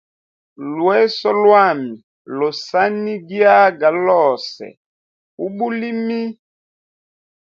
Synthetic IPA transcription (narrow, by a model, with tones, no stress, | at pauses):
lwɛ˦sɔ˦lwa˦˨mi˨ | lo˨sa˦ni˦ɡi˦a˦ɡa˨lɔ˦˨sɛ̰˨ | u˦ɓu˦li˦mi˦